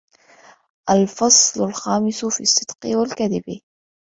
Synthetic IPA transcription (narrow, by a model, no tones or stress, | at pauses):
ʔalfɑsˤlʊlxaːmɪsʊfisˤːɨd̪qɪwalkaðɪbi